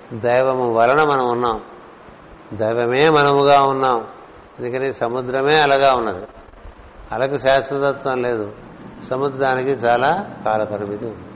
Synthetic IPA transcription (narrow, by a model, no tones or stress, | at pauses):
d̪ɐjʋɐmuʋɐlɐnɐmɐnɐmunːaːm | d̪ɐjʋɐme̞ːmɐnɐmuɡaːunːaːm | end̪ukɐnisɐmud̪ɾɐme̞ːɐlaːɡaːunːɐd̪i | ɐlɐkuʃaːsɾɐt̪ɐt̪ʋɐmle̞ːd̪u | sɐmud̪ɾaːnikit͡ʃaːlaːkaːlɐpɐɾibit̪i